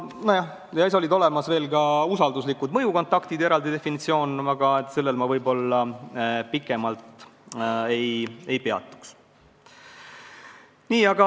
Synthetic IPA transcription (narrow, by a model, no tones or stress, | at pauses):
nojɑ | jɑis̬olid̪o̞le̞mɑsve̞ːlɡɑusɑld̪uslikːˑud̪̥mɤjuko̞nt̪ːˑɑkt̪id̪̥eɾɑld̪id̪e̞finit̪sio̞ːnɑɡ̥ɑet̪se̞lːelmɑvɤjbo̞lːɑpikːˑe̞mɑlt̪ˑ | eje̞jpe̞ɑ̰t̪ːˑu̥ks | niːɑɡ̥ɑ